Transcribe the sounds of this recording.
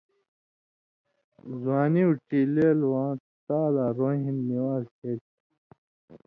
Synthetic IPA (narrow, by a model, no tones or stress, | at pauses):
zwaːniuʈileːlwãː | t̪aːlaːɾoːɦinːiwaːzheːt